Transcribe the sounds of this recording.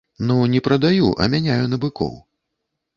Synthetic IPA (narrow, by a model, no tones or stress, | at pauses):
nunʲɛpɾɐd̪ajuʔɐ̰mʲanʲajunɐbɨkɔ̰w